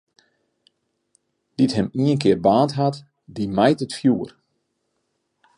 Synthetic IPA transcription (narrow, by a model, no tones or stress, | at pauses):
d̥itɦɛmiənkɪərbaːntɦat | dimɛjtətfjuːər